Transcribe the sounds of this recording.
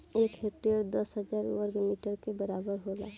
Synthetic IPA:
ekɦekʈɾiəɾd̪əsɦəd͡ʒaɾwəɾɡmiʈəɾkebəɾabəɾɦola̰

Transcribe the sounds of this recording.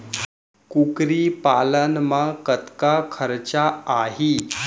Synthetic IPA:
kukɾipalənmakət̪kakʰəɾt͡ɕaːɦi

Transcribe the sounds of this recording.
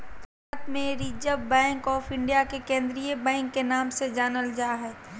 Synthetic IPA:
t̪aːt̪mẽɾiːd͡ʒəbɛ̃ːŋkɔːfɪ̃ɳɖijakekẽːnd̪ɾijəbɛ̃ːŋkːenaːmsed͡ʒaːnəld͡ʒaːɦɛː

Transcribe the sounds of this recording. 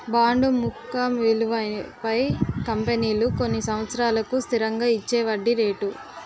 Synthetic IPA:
baːɳɖumukːɐmʋeluʋɐpɐjkɐmpeniːluko̞nːisɐmʋɐt̪sɐɾaːlɐkust̪ʰiɾɐŋɡaːit͡ʃːɛːʋɐɖːiɾeːʈu

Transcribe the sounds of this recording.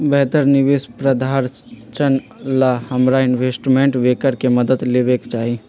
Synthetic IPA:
bɛɦt̪əɾniʋespɾəd̪ʱaɾt͡ʃən | lahəmɾaɪnʋeːsʈmẽɳʈʋekəɾkeməd̪əd̪lebekt͡ʃaːɦi

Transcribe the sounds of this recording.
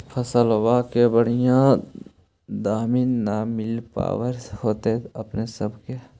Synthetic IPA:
fʰəsəlwaːkebəɽijã | d̪aːmiːnːamɪlpa̰ːwəɾhoːt̪eəpnesəbke

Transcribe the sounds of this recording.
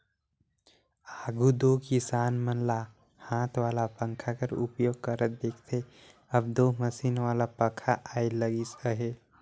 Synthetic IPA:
aɡud̪okisanmənla | hãt̪ʰʋalapəŋkʰakəɾṵpjoːɡ̚kəɾət̪̚d̪eːkʰt̪ʰe | əb̚d̪oməsinʋalapəkʰaʔailəɡisəɦe

